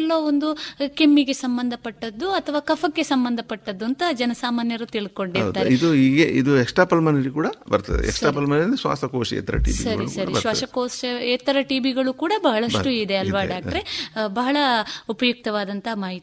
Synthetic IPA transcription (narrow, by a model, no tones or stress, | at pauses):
lːoːond̪ukemːiɡe̞sɐmbɐnd̪ʱɐpɐʈːɐd̪ːuɐt̪ʰɐʋaːkɐpʰɐkːe̞sɐmbɐnd̪ʱɐpɐʈːɐd̪ːuɐnt̪ɐd͡ʒɐnɐsaːmaːnjɐɾut̪iɭko̞ɳɖiɾɐd̪aːeid̪uiːɡeʔḭd̪uɛkʂʈaːpɐlmɐniɾikuːɽɐbɐɾt̪a̰d̪ḛɛ̰ksʈaːpɐlmanɐnd̪iʃʋa̰ːsɐkoːʃɛ̰ːt̪ɐ̰ɾɐ̰ʈḭːʋḭsɐɾḭskɐːɾɽɐiɐɾʋaːɐʃɐkoːsɐeːt̪ːɐɾɐʈiːʋiɡɐɭukuːɽɐbɐɦɐɭɐʂʈuid̪eɐlʋaɖaːk̚ʈɐɾe̞bɐɦɐɭɐupɐjuk̚t̪ɐʋaːd̪ɐnt̪ɐmaːɦit̪